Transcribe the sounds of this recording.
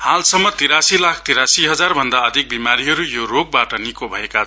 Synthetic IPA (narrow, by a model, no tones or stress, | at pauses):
halsʌmːʌt̪iɾasilakʰt̪iɾasiɦʌd͡zarbʱʌnd̪aʌd̪ʱik̚bimaɾiɦʌɾujoroɡ̚baʈʌnikobʱʌeka